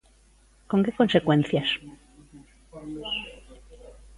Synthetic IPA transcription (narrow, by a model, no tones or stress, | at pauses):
ko̞ŋke̞ko̞nse̞kwẽ̞nθjas